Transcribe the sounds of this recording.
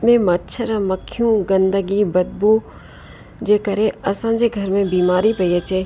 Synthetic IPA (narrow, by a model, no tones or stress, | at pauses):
mẽmɐtːʃʰəɾaməkʰːjũɡə̃nd̪əɡibɐd̪̚bu | d͡ʒeːkɐɾeɐsãːd͡ʒeɡʱɐɾmẽbiːmaːɾipɐet͡ʃʰeː